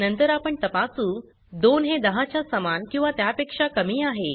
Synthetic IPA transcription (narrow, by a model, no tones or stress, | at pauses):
nənt̪əɾapəɳt̪əpasuː | d̪onɦed̪əɦat͡ɕjasəmankĩw̃ʋat̪japekʂakəmiːaɦe